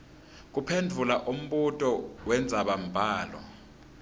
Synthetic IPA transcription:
k̬upʰendʱulaʔum̩ɓutʼɔwɛnd͡zʱaɓam̩bʱaːlɔ̰

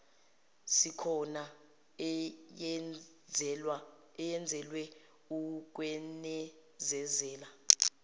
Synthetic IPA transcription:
sikʰɔna | ɛjɛnd͡zʱɛlwɛ | uk̬ʼwɛnɛ | zɛzɛːla

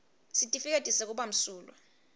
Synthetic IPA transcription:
sitʼifik̬ʼetʼisɛk̬uɓam̩suːla̰

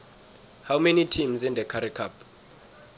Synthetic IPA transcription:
hawmɛnitʰimzĩnd̪ɛkʰaɾikʰap

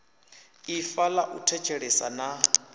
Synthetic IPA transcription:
ifalaʔutʰɛt͡ʃʰʼɛɺɛsa̰na

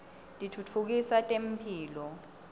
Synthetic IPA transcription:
lʼitʰutʰuk̬isatʼem̩pʰiːlɔ

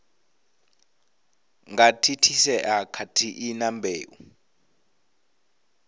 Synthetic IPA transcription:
ŋɡatʰitʰisɛʔakʰatʰiʔinambʱeːʔu

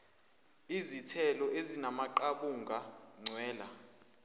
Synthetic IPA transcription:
izitʰɛlɔʔezinamaǃaɓuŋɡʱa | ŋ͡ǀʱwɛːla̰

